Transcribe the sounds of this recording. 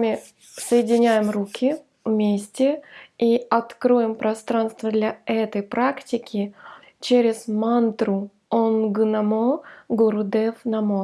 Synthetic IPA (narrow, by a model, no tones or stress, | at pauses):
amʲɪ | səjɪdʲɪnʲæjɪmɾukʲʰɪ | vmʲesʲtʲɪiɐt̪kɾojɪmpɾɐst̪ɾanst̪vəd̪lʲɐɛt̪əjpɾaktʲɪkʲʰɪ | t͡ɕeɾʲɪzmant̪ɾʊ | onɡɨnɐmoɡʊɾʊd̪ɛfnɐmo